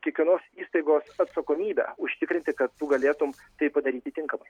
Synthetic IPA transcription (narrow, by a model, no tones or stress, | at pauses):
kʲiɛkʋʲiɛnoːsiːst̪ɐɪɡoːsɐt̪sɐkoːmʲiːbʲɛ̰ʊʃʲt̪ʲɪkɾʲɪnt̪ʲɪkɐt̪ːʊɡɐlʲeːt̪ʊm | t̪ɐɪpɐd̪ɐɾʲiːt̪ʲɪt̪ʲɪŋkɐmɐɪ